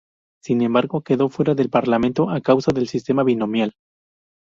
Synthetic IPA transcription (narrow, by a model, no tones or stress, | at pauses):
sinẽ̞mbaɾɣo̞ke̞ðo̞fwe̞ɾaðe̞lpaɾlame̞nt̪o̞ʔakawsaðe̞lsist̪e̞maβino̞mjal